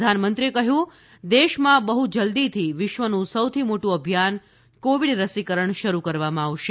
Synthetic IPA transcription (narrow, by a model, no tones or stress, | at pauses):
d̪ʱanmənt̪ɾiekəɦjũ | d̪eʃmãbəɦud͡ʒəld̪it̪ʰiʋɪʃʋənũsəwt̪ʰimoʈũəbʱijan | koʋiɽɾəsikəɾəɳʃəɾukəɾʋamãaʋʃe